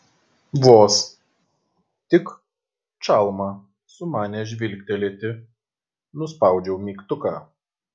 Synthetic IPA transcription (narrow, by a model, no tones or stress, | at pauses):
ʋoːs | t̪ʲɪk | t͡ʃɑlˠmɑ | sʊmɑːnʲɛʒʲʋʲɪlʲkʲt̪ʲɛlʲeːt̪ʲɪ | nʊspɑˑʊd͡ʒʲɛʊmʲiːkt̪ʊkɑː